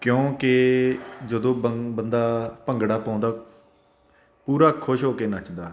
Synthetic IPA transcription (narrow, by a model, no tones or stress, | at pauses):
kjõːkɪ | d͡ʒəd̪õːbənd̪aːpəŋɡɽaːpãːnd̪aː | puːɾaːkʰoʃɦoːkeːnat͡ʃd̪aː